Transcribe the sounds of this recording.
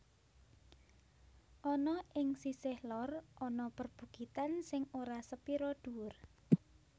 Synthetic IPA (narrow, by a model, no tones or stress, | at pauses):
ʔɔnɔʔɪŋsisɪhlɔrʔɔnɔpərb̥ṳɡ̥it̪ansɪŋoɾasəpiɾɔd̪̥uwʊr